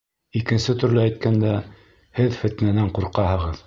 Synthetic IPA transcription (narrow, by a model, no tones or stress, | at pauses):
ikɘ̆nsɘt̪ɵ̆ɾlɘæjt̪̚kænd̪æ | hɘðfɘ̆t̪nænæɴquɾqɑɦɤ̆ʁɤð